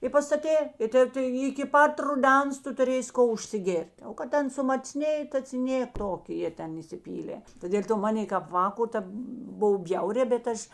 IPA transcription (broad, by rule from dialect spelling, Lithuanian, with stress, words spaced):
ɪ pɐstɐˈtʲeː ɪ ˈtʲeː tɐɪ ɪkʲɪ ˈpɐt rʊˈdʲɛns ˈtʊ tʊˈrʲeːsʲɪ ˈkoː ʊʃʲsʲɪˈɡʲeːrʲtʲ oː kɐt ˈtʲɛn sʊmɐˈt͡sʲnʲeːjeː tɐ t͡sʲɪ ˈnʲeː ˈtoːkʲ ˈjiɛ ˈtʲɛn iːsʲɪˈpʲiːlʲeː tɐ dʲeːlʲ ˈtoː ˈmɑːnʲeː kɐp ˈʋɑːkoː ˈtʲeːp ˈboːw ˈbʲjɛʊrʲɛː bʲɛt ˈɐʃ